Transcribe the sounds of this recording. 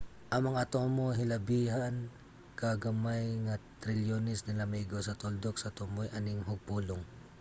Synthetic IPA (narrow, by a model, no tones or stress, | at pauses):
ʔɐŋmɐŋaɐt̪omoɦɪlɐbiːɦan | kaɡɐmajŋɐt̪ɾɪljonɪsnɪlɐmɛɡosɐt̪old̪ok̚sɐt̪omojʔɐnɪŋɦʊɡ̚puːloŋ